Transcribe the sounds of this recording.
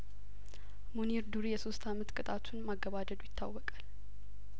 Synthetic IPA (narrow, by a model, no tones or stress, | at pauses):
muniɾd̪uɾijɛso̞st̪ʰamət̪kʼɨt̪ʼat̪ʰunmaɡːəβad̪əd̪ujɪt̪ʰːawːɔkʼal